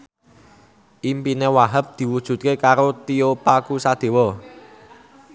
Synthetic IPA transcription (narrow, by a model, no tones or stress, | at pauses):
ʔimpinewaɦəp̚d̪̥i̤wud̥ʒ̥ṳt̪̚kekaɾot̪iopakusad̪̥e̤wɔ